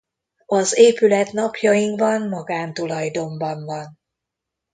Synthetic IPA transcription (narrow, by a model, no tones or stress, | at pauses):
ɒzeːpylɛt̪nɒpjɒjiŋkvɒnmɒɡaːmt̪ulɒjd̪o̞mbɒɱvɒn